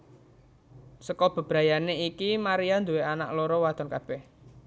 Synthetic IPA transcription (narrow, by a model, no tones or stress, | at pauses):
səkɔb̥ə̤b̥ɾajaneikimaɾiand̪uweana̰ʔloɾɔwad̪̥ɔ̤nkab̥ɛh